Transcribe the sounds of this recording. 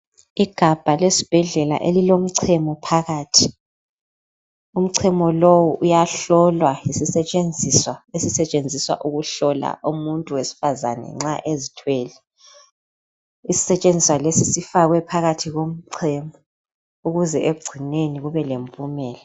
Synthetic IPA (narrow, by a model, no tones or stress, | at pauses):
iɡ̥ʱab̥ʱalesi̥b̥ʱɛɮɛla̰ʔelilom̩ǀʰɛmɔpʰaɣaːtʰi | um̩ǀʰɛmɔlowuʔujaɬɔlwaisisɛt͡ʃʼend͡zʱiswaesisɛt͡ʃʼend͡zʱiswa̰ʔuɣuɬɔla̰ʔumuntʼuwesi̥fazanɛ̰ŋ͡ǁaʔezitʰweːlɛ | isi̥sɛt͡ʃʼend͡zʱiswalesisifaɣwɛpʰaɣatʰiɣom̩ǀʰɛmɔ | uɣuzɛʔeɡ͡ǀʱineniɣuβɛlempʼumɛːlɛ